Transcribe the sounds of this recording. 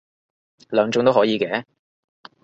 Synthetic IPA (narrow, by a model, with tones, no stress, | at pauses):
lœː˨˧ŋt͡ʃʊ˧˥ŋt̪o˥wɦɔː˨˥jiː˨˧kɛː˨˧˥